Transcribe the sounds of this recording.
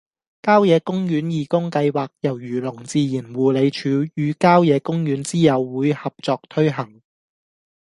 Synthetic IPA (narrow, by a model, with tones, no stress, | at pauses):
kaː˥wjɛː˨˧kʊ˥ŋjyː˨˥njiː˨kʊ˥ŋkɐ˧jwaː˨k̚jɐ˨˩wjyː˨˩lʊ˨˩ŋt͡siː˨˧jiː˨˩nwuː˨˩le˨˧jt͡ʃʰyː˨˧˥jyː˨˧kaː˥wjɛː˨˧kʊ˥ŋjyː˨˥nt͡siː˥jɐ˨˧wːuː˨˧jhɐ˨p̚t͡sɔː˨˧k̚t̪ʰɵ˥ɥɦɐ˨˩ŋ